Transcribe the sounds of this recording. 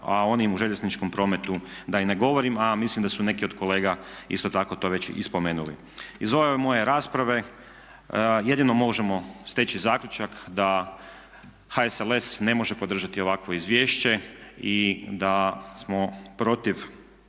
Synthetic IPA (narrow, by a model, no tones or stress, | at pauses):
ao̞nimuʒeʎe̞znit͡ʃko̞mpɾo̞ːmet̪ud̪aine̞ɡo̞ʋo̞ɾimamislimd̪asune̞kio̞d̪̥kole̞ːɡaḭst̪o̞t̪ako̞t̪o̞ʋe̞t͡ɕḭspo̞me̞ːnulḭ | izoʋeemo̞je̞ɾaːspɾaʋe̞ | je̞d̪ino̞mo̞ʒemo̞st̪et͡ɕizaːkʎʲut͡ʃakd̪a | haesele̞sne̞mo̞ʒepo̞d̪r̩ʒat̪io̞ʋakʋo̞izʋje̞ːʃt͡ɕe̞id̪asmo̞pɾo̞t̪iʋ